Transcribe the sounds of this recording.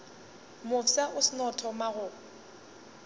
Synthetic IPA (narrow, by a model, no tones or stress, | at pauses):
mʊsaʔʊsɪnɔtʰɔmaɣʊ